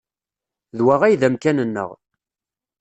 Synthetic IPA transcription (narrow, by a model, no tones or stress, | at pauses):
ðwaʁæjðæmkænənːə̰ʁ